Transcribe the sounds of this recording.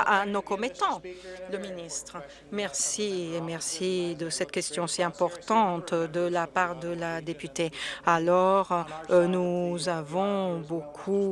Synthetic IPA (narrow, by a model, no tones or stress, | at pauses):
anokɔmet̪ɑ̃ləminist̪χə | mɛʁsiemɛʁsid̪əsɛt̪kʲɛst̪jɔ̃siɛ̃pɔʁt̪ɑ̃t̪d̪əlapaʁd̪əlad̪epyt̪ealɔʁnuzavɔ̃bokʰu